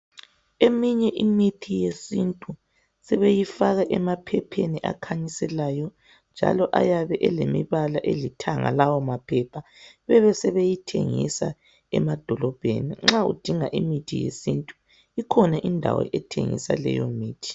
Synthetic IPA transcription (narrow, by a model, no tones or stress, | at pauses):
emiɲɛʔimitʰijesintʼu | sɛβejifaɣaʔɛmapʰɛpʰeniʔa̰kʰaɲisɛlajɔ | nd͡ʒʱa̰lɔʔajaβɛʔɛlemiβalaʔelitʰaŋa̰lawɔmapʰɛpʰaβɛβɛsɛβejitʰeŋisa̰ | ɛ̰mad̥ʱɔlɔb̥ʱeniŋ͡ǁaṵd̥ʱiŋaʔimitʰijḛsintʼu | ikʰɔnaʔindʱa̰wɔ̰ʔɛtʰeŋḭsa̰lɛ̰jo̰miːtʰi̥